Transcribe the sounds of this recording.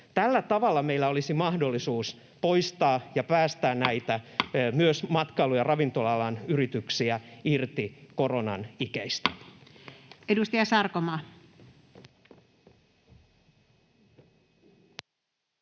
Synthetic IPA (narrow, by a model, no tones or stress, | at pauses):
t̪ælːæt̪ɑʋɑlːɑmeilːæo̞lisimɑhdo̞lːisuːs | po̞jst̪ɑːjɑpæːst̪æːnnæit̪æmyøsmɑt̪kɑilujɑrɑʋint̪o̞lɑlɑnyrit̪yksiæirt̪iko̞ro̞nɑ̰nikæist̪æ̥ | edust̪ɑjɑsɑrkomɑː